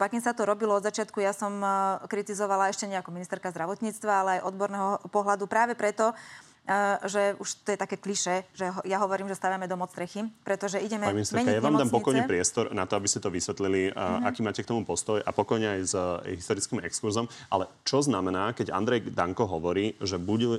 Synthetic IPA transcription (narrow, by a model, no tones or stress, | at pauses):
pakiːmsat̪ɔɾɔbilɔɔd̪zat͡ʃɪat̪kujasɔmkɾit̪izɔʋalaɛʃcɛɲɛakɔminist̪ɛɾkazd̪ɾaʋɔt̪ɲiːt͡st̪ʋaalɛajʔɔd̪bɔɾnɛːɦɔpɔɦlad̪upɾaːʋɛpɾɛt̪ɔ | ʒɛuʃt̪ɔjɛt̪akɛːkliʃɛʒɛɦjaɦɔʋɔɾiːmʒɛst̪aːʋamɛd̪ɔmɔt͡st̪ɾɛxipɾɛt̪ɔʒɛiɟɛmɛaɲiminist̪ɛɛɲkjaʋaːmd̪aːmpɔkɔjɲɛpɾɪɛst̪ɔɾnat̪ɔabiscɛt̪ɔʋisʋɛt̪liliakiːmaːcɛkt̪ɔmupɔst̪ɔja̰pɔkɔjɲɛajzɦist̪ɔɾit͡skiːmɛ̰kskuɾzɔmʔalɛ | t͡ʃɔznamɛnaːkɛɟa̰nd̪ɾɛjd̪a̰ŋkɔɦɔʋɔɾiːʒɛbuɟu